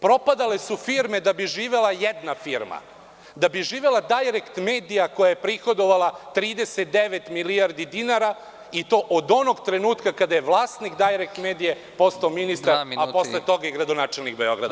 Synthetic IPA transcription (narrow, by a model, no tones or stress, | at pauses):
pɾo̞pad̪alesufiɾme̞d̪abiʒiːʋe̞lajed̪nafiɾma̰ | d̪abiʒiːʋelad̪ajɾekt̪me̞ːd̪ijako̞jajepɾixo̞d̪o̞ʋalˠat̪ɾiːd̪eset̪̚d̪eʋet̪milijaɾd̪id̪inaɾa | it̪o̞ːʔod̪o̞noɡt̪ɾe̞nuːt̪kakad̪ajeʋlˠaːst̪nikd̪ajɾek̚t̪meːd̪ije | po̞st̪aominist̪aɾapo̞sslˠet̪o̞ɡaiɡɾad̪o̞naːt͡ʃelnikbeo̞̰ɡɾa̰d̪a